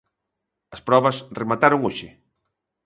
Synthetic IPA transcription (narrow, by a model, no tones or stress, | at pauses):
ɐspɾɔβɐsremat̪aɾoŋoʃɪ